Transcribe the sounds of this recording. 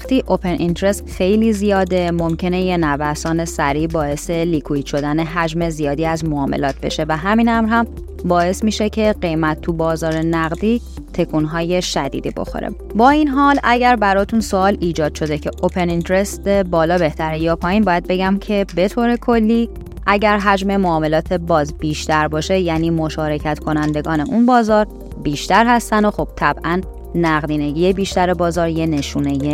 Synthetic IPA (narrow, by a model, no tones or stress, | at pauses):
xt̪iːʔopʰe̞nʔint̪ɾe̞st̪xe̞jliːzijɒːd̪e̞mo̞mcʰe̞neje̞nævæsɒːne̞sæɾiːbɒːe̞se̞liːkʰuiːd̪̥ʃo̞d̪æne̞ɦæd͡ʒme̞zijɒːd̪iːæzmoɒːmḛlɒːt̪̚b̥e̞̰ʃe̞væɦæminæmɾhæm | bɒːe̞smiːʃecʰe̞ɢe̞jmæt̪ːʰubɒːzɒːɾe̞næɣd̪iː | t̪ʰe̞kʰunɦɒːje̞ʃæd̪ḭːd̪ḭːbo̞̰xo̰ɾḛ | bɒːinɦɒːlæɟæɾbæɾɒːt̪ʰunsoɒːliːd͡ʒɒːd̪̥ʃo̞d̪e̞cʰe̞ʔopʰe̞nint̪ʰeɾest̪ebɒːlɒːbe̞ht̪ʰæɾejɒːpʰɒːjiːnbɒːjæd̪̚be̞ɟæmcʰe̞be̞t̪ʰoːɾe̞kʰo̞lːiː | ʔæɟæɾɦæd͡ʒme̞moɒːme̞lɒːt̪ʰe̞bɒːzb̥iːʃt̪æɾbɒːʃe̞jæːniːmo̞ʃɒːɾe̞cʰæt̪ʰkʰo̞nænd̪e̞ɡɒːne̞ʔunbɒːzɒːɾ | biːʃt̪æɾhæst̪ænd̪oxo̞b̥̚t̪ʰæbʔænː | æɣd̪iːne̞ɟijebiːʃt̪æɾebɒːzɒːɾjene̞ʃuːneje